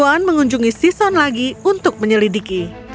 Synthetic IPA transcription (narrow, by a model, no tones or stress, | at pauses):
anməŋuɲd͡ʒuŋisisɔnlaɡiunt̪ʊk̚məɲəlidiki